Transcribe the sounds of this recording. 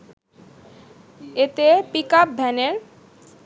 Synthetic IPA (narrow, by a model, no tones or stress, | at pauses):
et̪epikap̚bʱɛneɾ